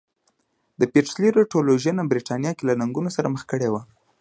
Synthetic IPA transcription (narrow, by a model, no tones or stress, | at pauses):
d̪̥əpeʈsliɾoʈoloʒjɑnabɾiʈɑnjɑkelanaŋɡunosaɾaməxkəɽewa